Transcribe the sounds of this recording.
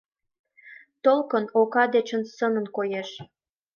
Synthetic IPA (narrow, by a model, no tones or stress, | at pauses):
t̪olkənokɑd̪et͡ɕə̆nsəmənkojeʃ